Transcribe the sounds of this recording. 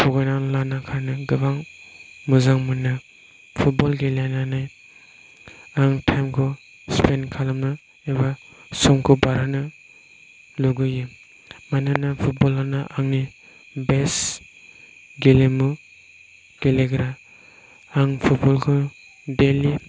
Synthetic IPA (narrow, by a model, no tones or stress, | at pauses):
pʰɔɡajnanlanakʰaɾnɯɡɯbaŋmuzaŋmɯnɯ | pʰut̚bɔlɡelananaj | aŋtʰajmkʰɔ | spʰenkʰalamnɯ | eba | sɔmkʰubaɾanɯ | luɡɯjɯ | manɯnapʰut̚bɔlanaʔaŋni | bes | ɡelemu | ɡ̥eleɡɾa | aŋpʰut̚bɔlkʰɯ | deli